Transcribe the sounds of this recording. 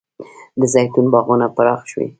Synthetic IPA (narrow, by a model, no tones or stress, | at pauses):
d̪əzɑjt̪unbɑɣunapaɾɑxʃwḭ